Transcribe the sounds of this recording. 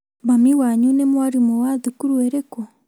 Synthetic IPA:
βamiwaɲunemwaɾimɔwaðukuɾweɾekɔ

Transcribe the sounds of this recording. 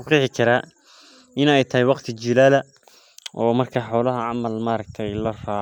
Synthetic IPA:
ʊqɪħɪkʰɐɾaː | ɪnɛjt̪ʰɐɦɛjwɑqt̪ʰɪt͡ʃɪlaːlɐ | ʔɔːmɐrkʰaːħɔːlɐɦɐʕɑmɐlmaːɾɐk̚t̪ʰɛjlɐraːʕ

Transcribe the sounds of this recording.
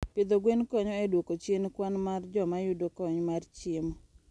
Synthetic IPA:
pɪd̪oɡwenkɔɲɔɛdwokot͡ʃjenkwanmard͡ʒɔmajʊdokɔɲmart͡ʃɪmɔ

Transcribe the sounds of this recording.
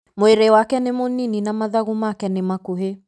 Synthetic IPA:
moeɾewakɛnemonininamaðaɣumakɛnemakuɦe

